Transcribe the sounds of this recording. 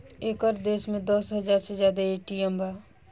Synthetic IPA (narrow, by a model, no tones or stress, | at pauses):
eːkəɾd̪eːsmẽd̪ɔsɦəd͡ʒaːɾsezjaːd̪aeːʈiembʱa